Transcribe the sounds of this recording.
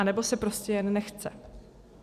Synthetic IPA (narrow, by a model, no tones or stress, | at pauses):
anɛbo̞sɛpɾo̞scɛjɛnːɛxt͡sɛ